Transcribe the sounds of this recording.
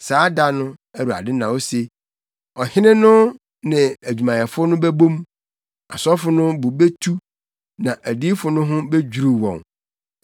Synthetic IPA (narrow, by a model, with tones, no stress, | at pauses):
saː˨˦da˦nʊ̃˦ | æ˦˨ɾu˨a̰˨dɪ̃˦nã˨wo˦se˨ | ɔ˨hɪ˦nɪ̃˦nʊ̃˦ | nɪ̃˨æ˨d͡ʑᶣu˨mã˨jɛ˨fʊ˦nʊ̃˦bæ˦bõ˦m | a̰˨sɔ˦fʊ˦nʊ̃˦bʊ˨be˦tʰu˦ | nã˨ʔæ˨di˦fʊ˨nʊ̃˦ɦʊ̃˦be˦d͡ʑᶣu˨ɾu˨wɔ̰̃˨ŋ